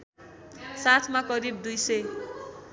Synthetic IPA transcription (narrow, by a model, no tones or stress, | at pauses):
sat̪ʰmakʌɾib̚d̪ujsʌj